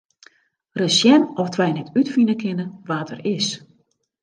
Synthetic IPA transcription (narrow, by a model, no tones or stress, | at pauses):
rəsjɛnɔftʰʋɛjnɛtʰytfinəkʰɪnəʋaːtʰə̰rɪs